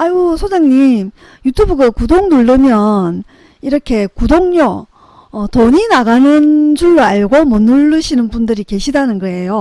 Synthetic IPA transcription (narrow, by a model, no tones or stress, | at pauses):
ajusʰod͡ʑaŋɲim | jutʰubuɡakudoŋnuɭːɯmjʌn | iɾʌkʰe̞kudoŋɲʌː | toɲinaɡanɯnd͡ʑuɭːoaɭɡomʌnuɭːɯɕʰinɯnbundɯɾike̞ɕʰidanɯnɡʌe̞jo